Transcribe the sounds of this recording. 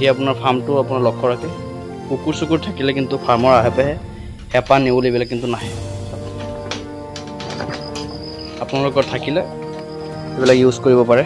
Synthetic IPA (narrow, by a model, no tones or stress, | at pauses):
iapʊnaɹpʰaɹmtʊapʊnaɹlɔkʰːɔɹakɛ | kukuɹsukuɹtʰakilɛkintupʰaɹmɔɹaɦɛpɛɦɛ | hɛpanebolebilakːintʊnaɦɛ | apʊnalʊkɔɹtʰakilɛ | ebilakjuzkoɹibɔpaɹɛ